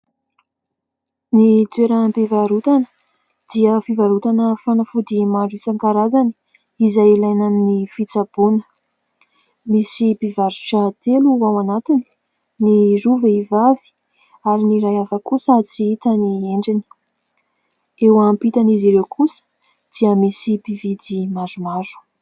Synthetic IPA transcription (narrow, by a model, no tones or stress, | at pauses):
nit͡sweɾəmpivaɾut̪anə̥ | d̪̥iəfivaɾut̪anəfanafud̪imaɳɖ͡ʐuisaŋkaɾazani | izajilajnannːifit͡sab̥unə̥ | misibivaɾuʈ͡ʂat̪eluawanat̪ini̥ | niɾuveivavi̥ | aɾiniɾajavakusat͡siit̪ənieɳɖ͡ʐini̥ | ewampit̪aniziɾewkʰusə̥ | d̪̥iəmisibivid̪imazumazu̥